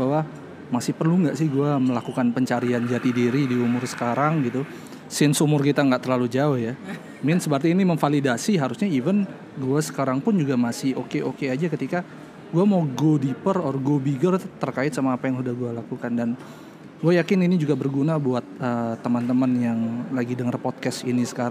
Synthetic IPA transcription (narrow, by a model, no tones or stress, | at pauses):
bawa | masɪhpərluŋɡaʔsɪhɡuaməlakukanpəɲt͡ʃaɾiand͡ʒat̪idiɾidiumʊrsə̥kaɾaŋɡit̪u | sɪnsumʊrkit̪aŋɡaʔt̪ərlalud͡ʒaʊhja | mɪnsəpərt̪iːniməfalidasiɦaɾusɲaivən | ɡuasə̥kaɾaŋpʊnd͡ʒuɡamasɪo̰keʔokead͡ʒakət̪ika | ɡuamauɡodipərɔrɡobiɡərt̪ərkaɪt̪̚samaːpajaŋsudahɡualakukandan | ɡuajakɪninid͡ʒuɡabərɡunabuat̪̚ət̪ːəmant̪əmənjaŋlaɡidəŋərpɔt̪̚kɛsḭnisə̥kaɾa